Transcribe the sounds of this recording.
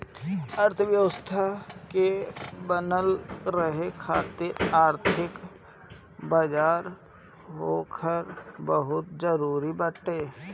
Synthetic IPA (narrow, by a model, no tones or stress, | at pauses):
əɾt̪ʰəʋjəʋəst̪ʰakebənəlɾəɦekʰaːt̪ɪɾaːɾt̪ʰɪk | baːd͡ʒaːɾ | ɦoːkʰəɾbəɦʊt̪d͡ʒəɾuːɾibəʈeː